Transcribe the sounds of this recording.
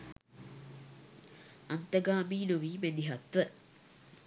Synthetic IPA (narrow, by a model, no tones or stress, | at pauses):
ɐnt̪əɡaːmiːnuʋiːmend̪iɦɐt̪ʋə